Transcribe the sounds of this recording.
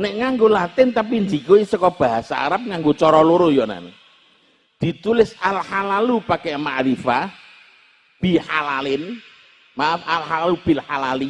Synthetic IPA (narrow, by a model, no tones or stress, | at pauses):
nɪʔŋaŋɡolat̪ɪnt̪ap̬ind͡ʒikoisəkɔb̥a̤ɦasa̰a̰ɾəp̚ŋaŋɡot͡ʃɔɾɔluɾojɔna̰nḛ | d̪̥i̤t̪ulɪsalhalalupakemaʔɾifa | b̥i̤halalɪn | mafalhaalub̥ɪ̤lhalali